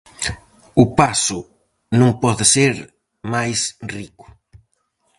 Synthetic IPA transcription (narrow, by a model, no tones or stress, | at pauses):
ʊpasʊ | nõŋpɔðɪseɾ | majsrikʊ̥